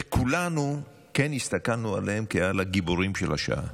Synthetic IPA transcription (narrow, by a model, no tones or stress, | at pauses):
ekʰulanu | kenhist̪akalnualehemkealaɡiboʁimʃḛlaʃa̰ʔa̰